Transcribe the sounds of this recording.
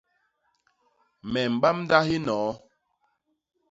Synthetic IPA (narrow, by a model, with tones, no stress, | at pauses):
mɛ˨m̩˨ɓa˦mn˦da˦ɦi˦nɔː˨˦